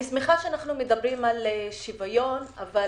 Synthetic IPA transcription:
ismiχaʃeanaχnumedabʁimaleʃivajo̞nava

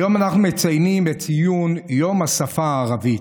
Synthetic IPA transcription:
jo̞manaχnumet͡sajnimett͡sijunjo̞masafaːʁavit

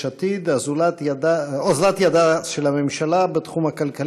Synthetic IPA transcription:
at̪id̪azulat̪ad̪aozlat̪jad̪aʃelamemʃalabet̪χumakalkal

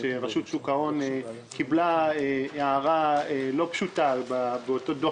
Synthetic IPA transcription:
eʁaʃut̪sukao̞n | kiblaeaːʁaelo̞pʃutababeoto̞do

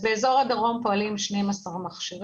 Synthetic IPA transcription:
beezo̞ʁadaʁo̞mpo̞alimʃnemasaʁmaχʃiʁ

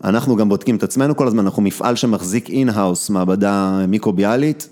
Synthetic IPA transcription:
a̰naχnuɡambodkimet̪at͡sme̞nuko̞lazmananaχnumifʔa̰lʃemaχzikinɦawsmaːbadamikʁobialit

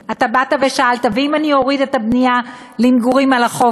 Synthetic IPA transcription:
atabataveʃaaltaveimanio̞ʁid̪etabnija | limɡuʁimalaχo

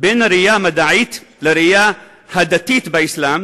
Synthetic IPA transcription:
bɪnaɾɪjaːmad̪aʕiːt̪lɪɾɪjaː | had̪at̪iːt̪bɪʔɪslaːm

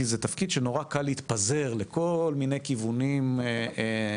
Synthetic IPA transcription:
izet̪afkid̪ʃeno̞ʁakalːhit̪paze̞ʁleko̞lmine̞jkivunim

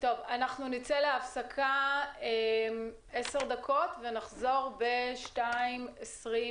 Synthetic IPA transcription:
to̞vanaχnunit͡seleafsakʰaem | eseʁd̪akʰo̞tvenaχzo̞ʁbe̞ʃtaimesʁi

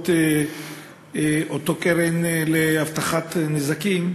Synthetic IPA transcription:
t̪e | ʔot̪o̞keʁenleaft̪aχat̪nezakim

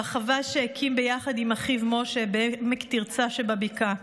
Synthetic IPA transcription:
χavaʃeakʰimbejaχad̪imaχivmoʃebeemekt̪iʁt͡saʃebabika

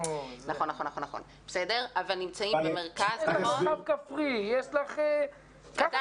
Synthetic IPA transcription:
naχonaχo̞nːaχonːaχo̞̰n | besede̞ʁavalnimt͡saimbemeʁkazaoavkafʁijeʃlaχe | ka

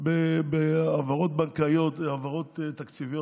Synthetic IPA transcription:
bebeavaʁot̪bankajo̞t̪avaʁo̞t̪t̪ːakt͡sivijo

